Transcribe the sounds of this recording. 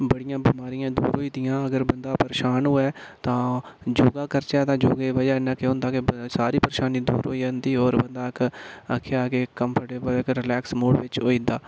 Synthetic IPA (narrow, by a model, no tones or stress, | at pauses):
bəɽɪjãːbiːmaːɾijãːd̪ṵːɾɦoːiːd̪ɪjãːəɡəɾbənd̪aːpəɾeːʃaːnɦoːɛːt̪ãːd͡ʒoːɡaːkəɾt͡ʃɛːt̪ãːd͡ʒoːɡeːʋəd͡ʒaːɪnãːkeõʊ̃ːnd̪aːkɪsaːɾiːpəɾeʃaːniːd̪ṵːɾɦoːiːd͡ʒaːnd̪iːɔːɾbənd̪aːɪkəkʰːejaːkeːəmpʰəʈeəɪkɾɪlɛːksmoːɽʋɪt͡ʃɦoːiːd̪aː